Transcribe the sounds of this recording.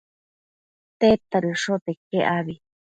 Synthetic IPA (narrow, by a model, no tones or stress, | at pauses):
t̪et̪aɾɨʂot̪ekeʔaβi